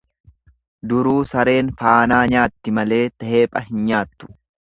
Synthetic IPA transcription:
d̪ʊɾuːsɐɾe̞ːnfaːnaːɲaːt̪ːɪmɐle̞ːt̪ɐhe̞ːpʼɐɦɪnɲaːt̪ːʊ̥

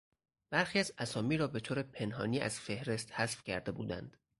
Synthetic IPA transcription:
b̥æɾxiːæzæsɒːmiːɾɒːbe̞t̪ʰoːɾepʰe̞nɦɒ̰ːniːæ̰z̥fe̞hɾe̞st̪hæsfcʰæ̰ɾd̪e̞bṵːd̪æ̰nd̪̥

